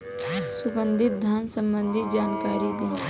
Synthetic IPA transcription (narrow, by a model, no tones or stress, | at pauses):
sʊɡə̃nd̪ʱɪt̪̚d̪ʱaːnsə̃mbə̃nd̪ʱɪt̪̚d͡ʒaːnkaːɾib̪ẽː